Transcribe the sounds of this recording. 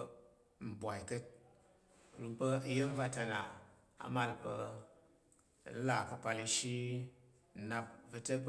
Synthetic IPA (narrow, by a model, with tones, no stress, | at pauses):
m̩˨bʷa˨i˨kə˦t̚ | ɾu˨pə˦jə˦m˦va˦ta˧na˨ | a̰˨ma˦lpə˧˨˦ | la˨kə˧pa˧li˧ʃi˦ | n̩˨na˧pvɨ˧tə˦p